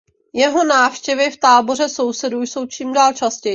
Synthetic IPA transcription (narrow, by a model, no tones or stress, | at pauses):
jɛɦo̞naːfʃcɛvɪft̪aːbo̞r̝ɛso̞wsɛdujso̞wt͡ʃiːmdaːlt͡ʃascɛj